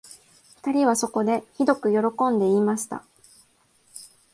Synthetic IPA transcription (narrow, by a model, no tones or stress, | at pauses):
ɸɯ̟̥t̪aɾʲiβaso̞ko̞d̪e̞çid̪o̞kɯ̟jo̞ɾo̞kõ̞nd̪e̞imaɕi̥t̪a̰